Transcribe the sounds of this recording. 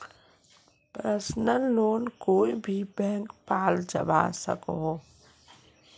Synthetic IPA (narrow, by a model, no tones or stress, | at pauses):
pɾəsnəloːnkoːibʱibɛ̃ːŋkpaːld͡ʒə̰ba̰sə̰kɦo